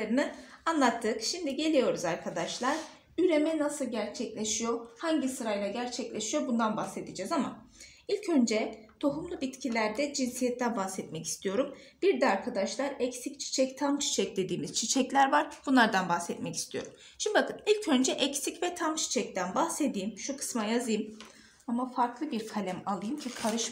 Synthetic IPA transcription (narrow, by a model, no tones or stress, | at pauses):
ɾɯnɯanlˠat̪ʰːɯkʃimd̪iɟe̞lʲijo̞ɾuzaɾkʰad̪aʃlˠaɾ̥ | yɾe̞mɛnasɯlˠɟæɾt͡ʃʰɛclʲeʃijo̞haɲɟisɯɾajlˠaɟæɾt͡ʃʰɛclʲeʃijobund̪anbaxse̞d̪id͡ʒɛzama | ilʲcʰø̞nd͡ʒɛ | t̪ʰo̞ɦumlˠubit̪cʰilʲæɾd̪ɛd͡ʒinsijɛt̪ʰːænbahsɛt̪mɛci̥st̪ʰijo̞ɾum | biɾd̪ɛaɾkʰad̪aʃlˠaɾɛcsict͡ʃʰi̥t͡ʃʰɛct̪ʰamt͡ʃʰi̥t͡ʃʰɛc̚d̪e̞d̪iːmiz̥t͡ʃʰit͡ʃʰɛclʲæɾvaɾb̥unlˠaɾd̪anbaxsɛt̪mɛci̥st̪ʰijo̞̰ɾum | ʃimd̪ibakʰɯnilʲcʰønd͡ʒɛʔɛcsicvɛt̪ʰamt͡ʃʰi̥t͡ʃʰɛc̚t̪ænbahse̞d̪ijːmʃukʰɯ̥smajazɯjɯm | amafaɾklˠɯbiɾkʰalʲæmalˠɯjɯmcʰikʰaɾɯʃ